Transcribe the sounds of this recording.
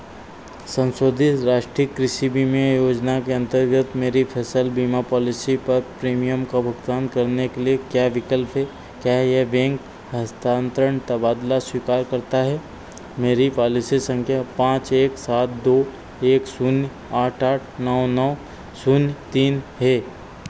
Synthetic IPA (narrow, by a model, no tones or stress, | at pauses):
sə̃nsoːd̪ʱɪt̪ɾaːʃʈɾikːɾɪʃibimẽjoːd͡ʒnakeɐ̃nt̪əɾɡət̪meːɾipʰɛːsəlbiːmapɔːlɪsipɐɾpɾiːmijəmkabʱʊɡt̪aːnkɐɾnekeliekjaːʋɪkəlpʰɦɛː | kjaːɦjebẽːŋk | ɦɐst̪aːnt̪ɾəɳ̃t̪əbaːd̪laswiːkaːɾkɐɾt̪aɦɛː | meːɾipɔːlɪsisə̃ŋkʰjapãːt͡ʃeːksaːt̪̚ʰd̪oː | eːksʊnj | aːʈaːʈʰnɔːnɔː | sʊnjt̪iːnɦeː